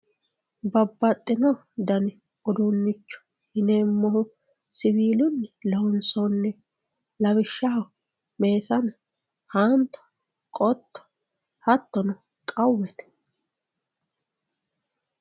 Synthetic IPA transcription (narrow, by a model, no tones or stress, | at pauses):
bɐbːɐt̪ʼːɪnɔ | d̪ɐn | ɔd̪ʊnːɪt͡ʃːʊ̥ | hɪneːmːɔhʊ | sɪbiːlʊnːlɐhʊnsɔnːɛ | lɐβɪʃːɐɦɐ | me̞ːsɐn | hɐnt̪ɔ̥ | kʼɔt̪ːɔ̥ | hɐt̪ːɔnɔ | kʼɐwːɛt̪